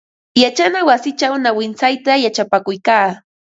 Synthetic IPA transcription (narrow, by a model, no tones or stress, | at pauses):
jat͡ʃanawasɪt͡ʃawnawɪnsajt̪ajat͡ʃapakʊjkaː